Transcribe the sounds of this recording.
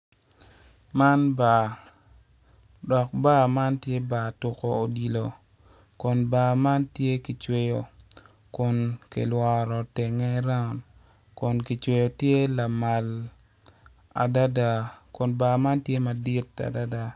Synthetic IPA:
ma˦nba˨ | dɔ˨k̚ba˦˨ma˦ntje˦ba˨tʊ˨ko˨o˨di˨lo˨ | kʊ˨nba˨ma˦ntje˦ki˨t͡ʃwe˦jo˨ | kʊ˨nkḛ˨lwɔ˨ɾɔ˨te˨ŋɛ˦ɾa˦˨n | kʊ˨nki˨t͡ʃwe˨jo˨tje˦la˨ma˨l | a̰˨da˦da˦˨kʊ˨nba˨ma˦ntje˦ma˨di˦ta̰˨da˦da˨

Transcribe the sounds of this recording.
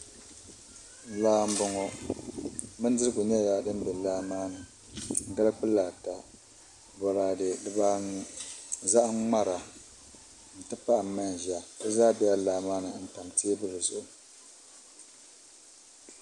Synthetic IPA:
laː˦m̩˦bɔ˨ŋɔ˨ | mɨ˦n˦dɨ˦ɾɨ˦ɡʊ˨ɲɛ˦ja˨dɨ˦m˦bɛ˨laː˦maː˦nɨ˨ | ŋ̩˨ɡa˦lk͡pɨ˦la˨ta˨ | bɔ˨ɾaː˨dɨ˨dɨ˨˦ba˦ | za˦ʔŋ͡ma˦ɾa˨ | n̩˨tɨ˦pa˦ʔa˨ma˦n˨ʒa˨dɨ˦zaː˦bɛ˦ja˦laː˨˦maː˦nɨ˨n̩˦ta˨mteː˦bɨ˦lɨ˨zo˨

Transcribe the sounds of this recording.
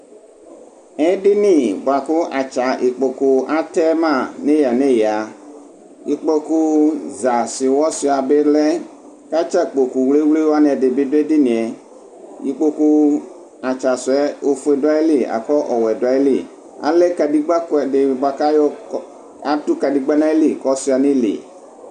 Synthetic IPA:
ɛ̃˦ɖɪ˦nĩ˦˨ba˨kʊ˦ʔa˨t͡ʃa˨ʔi˨k͡po˨ku˨a˦t̪ɛ˦mã˦˨nẽ˦ja˨nẽ˦jɛ˨a˨ | ji˦k͡po˦ku˦za˨sɪ˨wɔ˦si˨a˨be˦lɛ˦ | ka˦t͡ʃa˦k͡po˨ku˨wle˦wle˦wa˦nɛ̃˨de˨be˦do˦e˦di˦nĩ˨ɛ˨ | ji˦k͡po˦ku˦ | a˨t͡ʃa˨sʊ˨ɛ˦o˨fe˨do˦a˦e˦li˦a̰˨kɔ˦ʔɔ˨wɛ˨do˨a˨˦e˦li˨ | a̰˨le˦ka˨di˦ɡ͡ba˦kɛ˨de˨ba˨ka˦jɔ˦ | a˦tu˦ka˨di˨ɡ͡ba˦nã˦e˦li˦kɔ˦si˦a˨nĩ˦lḭ˨

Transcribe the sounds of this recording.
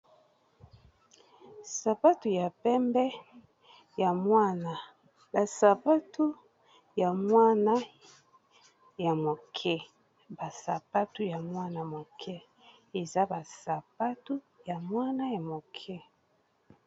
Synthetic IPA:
sa˨pa˦tu˨ja˨pɛ˦mbɛ˦ | ja˨mwa˦na˨ | ba˨sa˨pa˦tʰu˦ | ja˨mwa˦na˦ | ja˨mo˨kʰɛ˦ | ba˨sa˨pa˦tu˦ja˨mwa˦na˨mo˨kʰɛ˦ | e˨za˦ba˨sa˨pa˦tu˦ | ja˨mwa˦na˦ja˨mo˨kʰɛ˦

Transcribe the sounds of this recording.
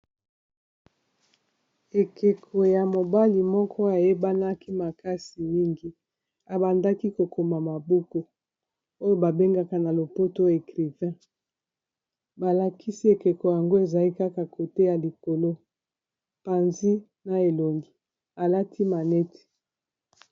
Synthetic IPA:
e˨kʰe˨kʰo˨ja˨mo˨ba˦li˨mɔ˦kʰɔ˦a˨je˦ba˦na˦ki˦ma˨ka˦si˨mi˦ŋɡi˦ | a˨ba˨nda˦ki˦ko˨ko˨ma˨ma˨bo˦ko˨ | o˦jo˦ba˨be˦ŋɡa˦ka˨na˨lo˨po˦to˦e˨kʁi˨vɛ̃˦ | ba˨la˨ki˦si˦e˨ke˨ko˨ja˨ŋɡo˦e˨za˨li˦ka˦ka˨kʰo˨te˦ja˨li˨ko˨lo˦ | pa˨nzi˦ | na˨e˨lo˨ŋɡi˨ | a˨la˦tʰi˦ma˨nɛ˦te̥˨

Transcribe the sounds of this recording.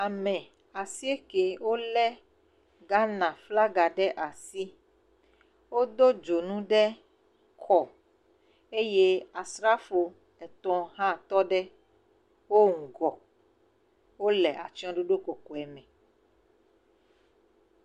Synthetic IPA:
a˨mɛ̃˨ | a˨si˦e˦ke˨wo˦lɛ˦ | ɡa˦nã˨fla˦ɡa˨ɖɛ˦ʔa˨si˦ | wo˦d̪o˦d͡ʒo˨nũ˦ɖɛ˦ | kʰɔ˨ | e˦je˦a˨sɾa˦fo˨ | ɛ˨t̪ɔ̃˦ɦã˦˨t̪ɔ˦ɖɛ˦ | wo˦ŋ̩˨ɡɔ˨ | wo˦lɛ˨a̰˨t͡ʃi˦ɔ̃˦ɖo˦ɖo˦ko˨kɔ˨ɛ˨mɛ̃˨

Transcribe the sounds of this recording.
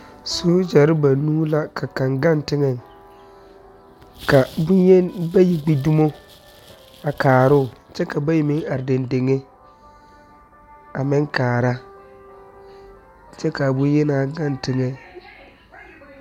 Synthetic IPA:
soː˦d͡ʒɛ˨ɾɪ˦ba˨nuː˦la˦kʰa˨ka˨ŋɡa˦˨ntɪ˦ŋɛ˨ŋ | ka˨bʊ˦je˦ba˦ji˨ɡ͡bi˦du˦mo˦ | a˨kaː˨ɾʊ˦˨ | t͡ʃɛ˦ka˨ba˦ji˨mɪ˦ŋa˨ɾɪ˨de˨nde˨ŋe˦ | a˨mɪ˦ŋkaː˨ɾa˦ | t͡ʃɛ˦ka˨bʊ˦jɛ˦naː˦ɡa˦˨ntɪ˨ŋɛ˨

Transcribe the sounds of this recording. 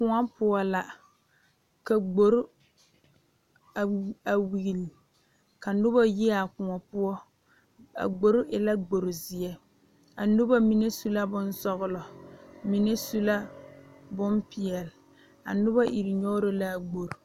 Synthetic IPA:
kʊ˨ŋa˦pʊ˦ɔ˦la˨ | ka˨ɡ͡bo˨ɾʊ˦ | a˨a˨wi˨li˨ | ka˨nʊ˦ba˦ji˦a˨kʊ˨ŋɔ˨pʊ˦ɔ˦ | a̰˨ɡ͡bo˨ɾʊ˦ʔɪ˨la˦ɡ͡bo˨ɾʊ˨zɪ˨ɛ˦ | a˨nʊ˦ba˦mi˦ne˦su˦la˦bʊ˦n˦sɔ˦ɣʊ˦lɔ˨mi˨ne˦su˦la˦ | bʊ˦mpɪ˨ɛ˨lɪ˨ | a̰˨nʊ˦ba˦ʔi˨ɾɪ˨ɲɔ˦ɾʊ˦la˦˨ɡ͡bo˨ɾʊ˨

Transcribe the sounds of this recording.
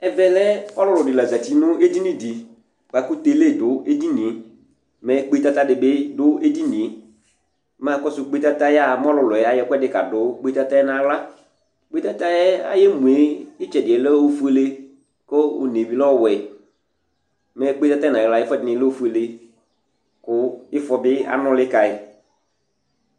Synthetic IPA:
ɛ˨vɛ˨lɛ˦ɔ˦lʊ˦lʊ˨dɪ˨la˨za˨ti˨˦nʊ˦e˦di˦nĩ˨di˨ | k͡pa˨kʊ˦te˨˦le˦˨dʊ˦e˦di˦nĩ˨e˨ | mɛ˨˦k͡pe˦ta˦ta˦dɪ˨bɪ˦dʊ˦e˦di˦nĩ˨e˨ | mã˨˦kɔ˦sʊ˨˦k͡pe˦ta˦ta˦ja˦˨m˦ɔ˦lʊ˨lʊ˨ɛ˨a˨jɛ˦kɛ˦dɪ˨ka̰˨dʊ˨˦k͡pe˦ta˦ta˦nã˨˦wla˦ | k͡pe˦ta˦ta˦ɛ˦a̰˦jɛ˦mũ˨e˨˦ɪ˦t͡ʃɛ˨dɪ˨ɛ˨lɛ˦o˦fu˦e˦le˦ | ko˦ʊ˨ne˨vi˨˦lɔ˦˨wɛ˨ | mɛ˨˦k͡pe˦ta˦ta˦nã˨wla˨˦ɪ˦fɛ˦dɪ˨nɪ̃˨˦lɔ˦o˦fu˦e˨le˦ | kʊ˦ɪ˦fɔ˨bɪ˦a̰˦nɔ̃˦lɪ˦ka˨ɪ˨˦

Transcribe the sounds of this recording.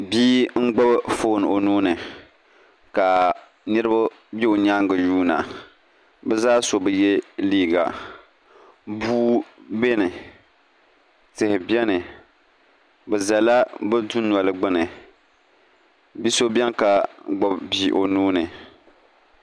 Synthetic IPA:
biː˦ŋ̩˦ɡ͡ba˦bfo˦n˨o˨nuː˦nɨ˨ | ka˨ | nɨ˦ɾɨ˦ba˦ | bɛ˦o˨ɲa˦ŋɡɨ˨juː˦na̰˨ | bɛ˦zaː˦so˨bɨ˨je˦liː˦ɡa̰˨ | buː˦be˦nɨ˨ | tɨ˨hɪ˨bjɛ˦nɨ˨ | bɛ˨za˨la˦bɨ˦du˦nwa˨lɨ˨ɡ͡bɨ˦nɨ˨ | bi˦so˦bʲɛ˦ŋka˨ɡ͡bʊ˦bbiː˦ʔo˨nuː˦nɨ˨

